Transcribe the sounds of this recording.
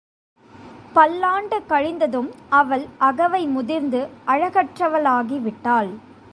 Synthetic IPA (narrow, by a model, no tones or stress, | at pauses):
pɐlːaːɳɖɯkɐɻɪnd̪ɐðɯmɐʋɐɭɐɣɐʋɐɪmʊðɪɾnd̪ɯʔɐɻɐɣɐʈrɐʋɐlaːɣiʋɪʈːaːl